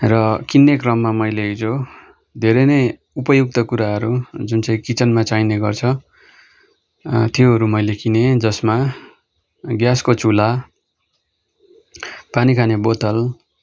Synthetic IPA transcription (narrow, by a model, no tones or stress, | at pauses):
rʌkinːekrʌmːamʌjleid͡zo | d̪ʱeɾʌnʌj | upʌjuk̚t̪ʌkuɾaɦʌɾud͡zunt͡sãĩkit͡sʌnmat͡sajneɡʌrt͡sʰʌ | t̪ijoɦʌɾumʌjlekined͡zʌsma | ɡjaskot͡sula | panikʰanebot̪ʌl